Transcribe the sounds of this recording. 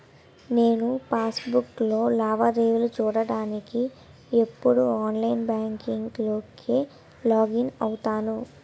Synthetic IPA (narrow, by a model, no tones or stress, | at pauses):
ne̞ːnupaːsbuklo̞ːlaːʋɐɾeːʋlut͡ʃuːɽɐɽaːniki | epːuɽuaːnlɐjnbaːŋkiŋɡlo̞ːkʰeː | laːɡinɐwut̪aːnu